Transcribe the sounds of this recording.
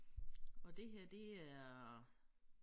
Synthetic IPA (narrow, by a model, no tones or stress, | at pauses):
ɒ̽d̥e̝ɦeɐ̰d̥e̝æɐ